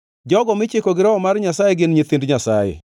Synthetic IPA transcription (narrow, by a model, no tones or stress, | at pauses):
d͡ʒɔɡɔmɪt͡ʃɪkoɡɪɾɔɔmarɲasajeɡɪnɲet̪ɪndɲasajɛ̰